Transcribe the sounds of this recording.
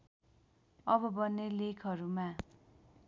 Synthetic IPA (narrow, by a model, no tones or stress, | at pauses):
ʌbʌbʌnːelekʰʌɾuma